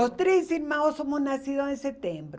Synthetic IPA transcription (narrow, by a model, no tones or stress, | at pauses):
ost̪ɾessilmaosomoznasiðosenset̪embɾ